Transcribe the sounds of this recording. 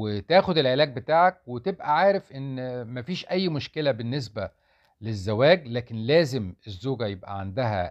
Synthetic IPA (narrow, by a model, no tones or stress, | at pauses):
ɪt̪æːxʊd̪ɪlʕelæːɡ̚bɪt̪aːʕak̚wɪt̪ɪbʔæʕaːɾɪfʔɪnːmæfiːʃʔæjːmʊʃkɪlæbɪnːɪs̬bæ | lɪzːæwæːɡlæːkɪnlæːzɪmɪzːuːɡæjɪbʔæ̰ʕand̪ɪɦæ̰